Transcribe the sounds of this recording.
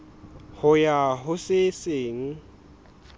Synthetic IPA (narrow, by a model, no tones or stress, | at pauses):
hʊjaɦʊseseːŋ̩